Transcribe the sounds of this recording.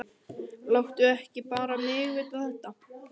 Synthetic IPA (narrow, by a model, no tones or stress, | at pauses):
lawht̪ʏɛhcɪpaːɾamʏːɣɪːt̪aθɛht̪a